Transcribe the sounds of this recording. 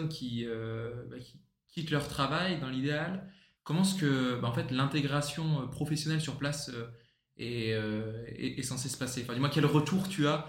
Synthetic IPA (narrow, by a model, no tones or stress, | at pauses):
nkʲʰiøbakʲi̥ | kʲit̪lœʁt̪χavajd̪ɑ̃lid̪eal | kɔmɑ̃sə̥kəbaɑ̃fɛt̪lɛ̃t̪eɡʁasjɔ̃øpχɔfɛsjɔnɛlsyʁplasø | ɛøɛ̰ʔɛsɑ̃sesə̥paseɑ̃fɛ̃d̪imwɛ̃kʲɛlʁət̪uʁt̪ya